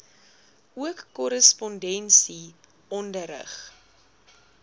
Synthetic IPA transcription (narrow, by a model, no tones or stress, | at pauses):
uəkːɔɾəspɔndɛnsi | ɔndəɾə̰χ